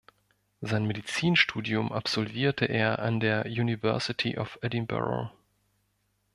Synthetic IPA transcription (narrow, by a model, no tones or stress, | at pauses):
zaɪnmedit͡siːnʃtʰuːdiʊmʔa̰pz̥ɔlviːɐtʰəʔeːɐʔa̰ndeːɐjunivɛ̰ɐsɪtʰiʔɔfɛdimbɛ̰ʁo̰